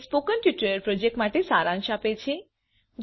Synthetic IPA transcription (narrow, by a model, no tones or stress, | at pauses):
spokənpjuʈəɾəɾpɾɔd͡ʒek̚ʈmaʈesaɾãŋʃapet͡ʃʰe | d͡ʒ